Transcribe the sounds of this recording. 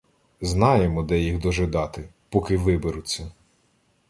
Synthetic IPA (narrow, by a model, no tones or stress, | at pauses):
znɑjemɔd̪ɛjiɣd̪ɔʒɪd̪ɑt̪ɪ | pɔkɪʋɪbeɾʊt͡sʲːɐ